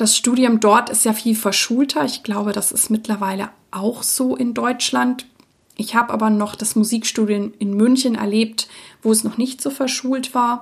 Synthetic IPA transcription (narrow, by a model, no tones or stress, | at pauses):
d̥asʃtuːdjʊmdɔɐtɪstjaːfiːlfɛɐʃuːltʰɐɪçɡ̥laʊbəɾasɪ̰stmɪtlɐvaɪlə̰ | ʔaʊxz̥oːʔɪndɔʏt͡ʃlant | ʔɪçhaːbəʔa̰ːbɐnɔχd̥asmuziːkʃtuːdiʊmɪnmʏnçənɛ̰ɐleːp̚tvoːɛsnɔχnɪçtz̥oːfɛɐʃuːltv̥aːɐ